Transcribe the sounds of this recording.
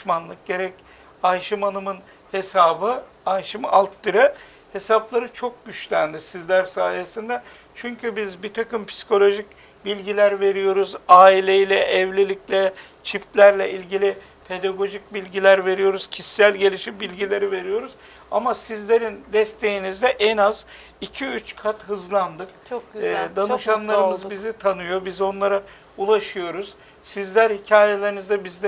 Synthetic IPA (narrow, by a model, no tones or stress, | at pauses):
ʃmanlˠɯk̚ɟe̞ɾɛc | ajʃɯmanɯmɯn | he̞saːbɯ | ajʃɯmalˠt̪ːɯɾɯ | he̞saplˠaɾɯt͡ʃʰo̞k̚ɟyt͡ʃlʲænd̪isizlʲæɾsa̰ːje̞sind̪ɛ | t͡ʃʰyɲcʰybizbit̪ʰakɯmpʰi̥si̥kʰo̞lʲˠo̞ʒic | bilʲɟilʲæɾve̞ɾijo̞ɾuzaːilʲe̞jilʲɛʔɛvlʲelʲiclʲɛ | t͡ʃʰift̪lʲæɾlʲɛʔilʲɟilʲi | pʰe̞d̪aɡo̞ʒic̚bilʲɟilʲæɾve̞ɾijo̞ɾuz̥cʰisːælʲɟe̞lʲiʃimbilʲɟilʲe̞ɾive̞ɾijo̞ɾuz̥ | a̰masizlʲe̞ɾind̪ɛst̪ʰe̞jinizd̪ɛʔɛnaz | icʰiyt͡ʃkʰat̪ɦɯzlˠand̪ɯkt͡ʃʰd̪anɯʃanlˠaɾɯmɯzbizit̪ʰanɯjo̞bizo̞nlˠaɾa | ulˠaʃɯjo̞ɾuz̥ | sizlʲæɾhicʰaːjelʲe̞ɾinizd̪ɛbizd̪ɛ